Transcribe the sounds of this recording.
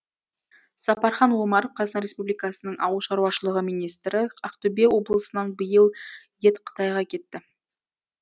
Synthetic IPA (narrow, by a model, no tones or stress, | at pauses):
sɑpɑɾχɑnwomɑɾofqʰɑznənɾʲespublijkɑsənəɴɑ̰wəlˠʃɑɾuɑʃəlˠəʁəmijnijst̪ɾɪɑqt̪ʊbewo̞blˠəsənɑnbəjəlˠ | je̞t̪qʰə̥t̪ɑjʁɑkʲʰe̞t̪ːɪ